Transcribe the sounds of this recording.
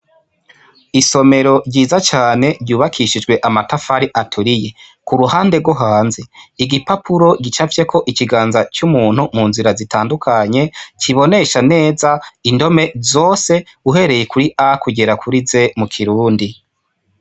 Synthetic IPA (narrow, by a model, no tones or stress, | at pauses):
iso̞me̞ɾo̞ɾɟiːzat͡ʃaːne̞ɾɟuːβakʰiʃid͡ʒɡwe̞ʔamatafaɾiʔatʰuɾije̞ | kuɾuhaːnde̞ɡwoɦaːnzeiɡipapuɾo̞ɡit͡ʃavje̞kʰo̞ʔikiɡaːnzat͡ʃumuːnhumuːnziɾazitaːndukʰaɲe̞t͡ʃiβo̞ne̞ʃane̞ːzaindo̞me̞zo̞ːse̞ | uɦe̞ɾe̞je̞kuɾiʔakuɟe̞ɾakʰuɾize̞mukʰiɾuːndi